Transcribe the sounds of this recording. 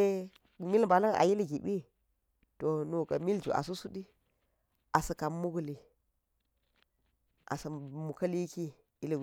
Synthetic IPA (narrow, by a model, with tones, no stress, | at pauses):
mi˦lba˨la˦ŋa̰˨ji˦lɡi˨bi˦ | to˨nu˨ka˨mi˦ld͡ʒṵ˨ʔa̰˨s̬u˦su˦ɗi˦ | a˨sɐ˨ka˨mːu˦ɡu˨li˨ | ʔa̰˨sɐ˨mu˨kɐ˦li˦ki˦ | i˦li˨ɡ